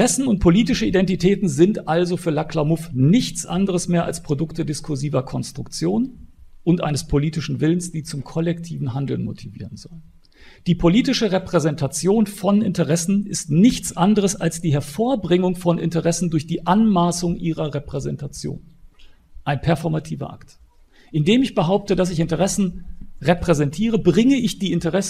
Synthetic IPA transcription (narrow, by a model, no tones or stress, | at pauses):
ʁɛsn̩ʊnt̚pʰoliːtɪʃəidɛntitʰɛːtn̩zɪntʔalzofyːɐlakʰlaʊmʊfnɪçt͡sʔa̰ndəʁ̞əsmeːɐʔa̰lspʁ̥odʊktədɪskʰʊɐziːvɐkʰɔnstʁ̥ʊkt͡sjoːnʔʊntʔa̰ɪnəspʰoliːtɪʃn̩vɪlənsd̥iːt͡sʊmkʰɔlɛktʰiːvn̩ɦandl̩nmo̰tʰivḭːʁənzɔ̰lən | d̥iːpʰoliːtɪʃəʁepʁ̥ɛzɛntʰat͡sjoːnfɔnɪ̰ntəʁɛsn̩ɪstnɪçt͡sʔandəʁ̞əsalsd̥iːɦɛɐfoːɐbʁɪŋʊŋfɔnʔɪ̰ntəʁɛsn̩dʊɐçd̥iːʔanmaːsʊŋʔiːʁɐʁepʁ̥ɛzɛntʰat͡sjo̰ːn | ʔaɪnpʰɛɐfɔɐmatʰiːvɐ̰ʔa̰kt | ʔɪndeːmɪçb̥əɦaʊp̚tədas̬ɪçɪntəʁɛsn̩ʁepʁ̥ɛzɛntʰiːʁ̞əbʁɪŋəɪçd̥iːɪntəʁɛs